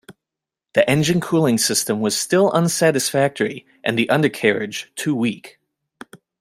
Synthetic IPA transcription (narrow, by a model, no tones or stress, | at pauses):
ðiʔɛ̃nd͡ʒɨ̃nkʰulˠɪ̃ŋsɪstɨ̃mwʌz̥stɪlˠʔʌ̃nsæɾɨsfæk̚tə˞i | ʔɨ̰̃nðiʔʌ̃ndə˞kʰɛɹɪ̰d̥ʒ̥tʰʉwik